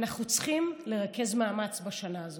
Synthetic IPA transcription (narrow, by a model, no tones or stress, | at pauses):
naχnut͡sχimle̞ʁake̞zmaːmat͡sbaʃanaːzo